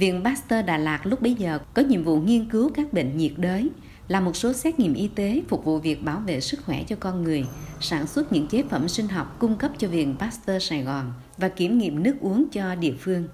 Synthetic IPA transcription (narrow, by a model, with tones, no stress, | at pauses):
vḭ˧˨ənɓaː˦˥st̪əː˧ɗa̰ː˧˩laː˨˩k̚lʊ˦˥k͡p̚ɓə˨˦jzəː˨˩kɔ˨˦ɲḭ˧˨əmvṵ˧˨ŋi˧ənkɨ˨˦wkaː˦˥k̚ɓḛ˧˨ŋ̟ɲi˨˩ət̚ɗəː˨˦j | laː˨˩mo˨˩t̚so˨˦sɛ˦˥t̚ŋḭ˧˨əmʔi˧t̪e˨˦fʊ˨˩k͡p̚vṵ˧˨vi˨˩ək̚ɓaː˧˩wvḛ˧˨sɨ˦˥k̚xwɛ˧˩t͡ɕɔ˧kɔ˧nŋɨ˨˩əjsaː˧˩nswə˦˥t̚ɲɨ̰˧˥ŋt͡ɕe˨˦fə˧˩msï˧ŋ̟ɦɔ˨˩wk͡p̚kʊ˧ŋ͡mkə˦˥p̚t͡ɕɔ˧vḭ˧˨ənɓaː˦˥st̪əː˧saː˧˩jɣɔ˨˩n | vaː˨˩ki˧˩əmŋḭ˧˨əmnɨ˦˥ək̚ʔu˨˦əŋt͡ɕɔ˧ɗḭ˧˨əfɨ˧əŋ